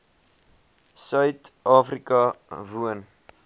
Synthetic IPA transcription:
sœɥtɑːfrikɐvuən

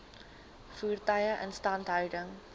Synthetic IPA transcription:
fuːrtɐjəʔə̰nstɐntɦœɥdəŋ

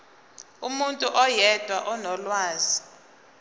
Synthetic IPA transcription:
umuntʼuʔɔjɛd̥ʱwaʔɔnɔlwaːzi

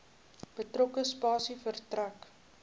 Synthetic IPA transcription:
b̥ətrɔkəspɑːsifərtræk

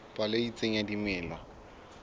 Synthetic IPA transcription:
pʼaleit͡sʼeŋ̩jadimɪːlwa

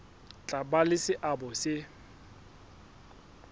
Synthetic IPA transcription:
t͡ɬʼabalɪsɪʔabʊsɪ

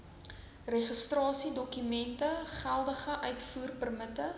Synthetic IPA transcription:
rɛχəstrɑːsidɔkymɛntəχælˠdəχəʔœɥtfuːrpərmətə

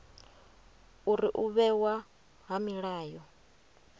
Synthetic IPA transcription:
uɾiʔuβɛwa | ɦamiɺaːjɔ

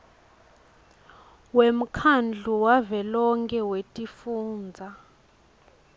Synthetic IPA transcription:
wem̩kʰand͡ɮʱuwavɛlɔŋkʰʼɛwetʼifuːnd͡zʱa

